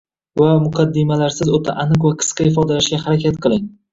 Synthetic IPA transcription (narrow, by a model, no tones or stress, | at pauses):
vamʊqʰɑd̪ːɪmalaɾsɪzot̪ʰa̰ʔanɨqvaqʰɨ̥sqɑhɪfɒd̪alaʃɡʲahaɾakʲʰat̪̚qʰɨlˠɪŋ